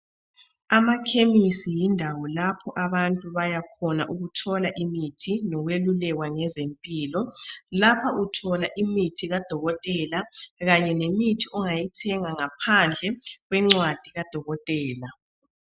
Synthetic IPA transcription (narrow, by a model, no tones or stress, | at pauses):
amakʰemisijindʱawɔlapʰɔʔaβantʼuβajakʰɔnaʔuɣutʰɔlaʔimitʰinɔwelulɛɣwaŋɛzempʼiːlɔlapʰaʔutʰɔlaʔimitʰiɣad̥ʱɔɣɔtʼɛlaɣaɲɛnemitʰiʔɔŋajitʰɛŋaŋapʰand͡ɮʱɛɣwɛŋ͡ǀwad̥ʱiɣad̥ʱɔɣɔtʼɛːla